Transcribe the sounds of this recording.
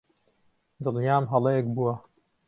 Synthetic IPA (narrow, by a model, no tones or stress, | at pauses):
d̪ɨljaːmɦɐlɛjɛkbuwɐ